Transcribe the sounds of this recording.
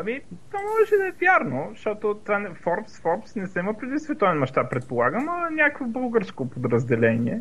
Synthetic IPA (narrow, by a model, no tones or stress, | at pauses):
ɐmit̪vamɔʒɛʃɛd̪ɐɛvʲjaɾnoʃt̪ɔt̪ot̪vanɛfɔɾpsfɔɾpsnɛsɛiməpɾɛd̪isvɛt̪ɔvɛnmɐʃt̪apːɾɛt̪̚polˠaɡəmɐnʲakəkvobɤlˠɡəɾskopod̪ɾəzd̪ɛlɛniɛ̰